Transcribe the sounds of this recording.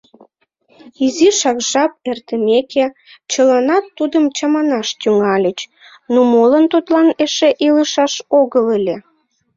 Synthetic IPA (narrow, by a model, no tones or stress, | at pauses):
iziʃɑkʒɑp̚ert̪əmeke | t͡ɕəlɑnɑt̪ːud̪əmt͡ɕɑmɑnɑʃt̪yŋɑlʲət͡ɕ | nomolənt̪ut̪lɑneʃeʔiləʃɑʃoɣəlelʲe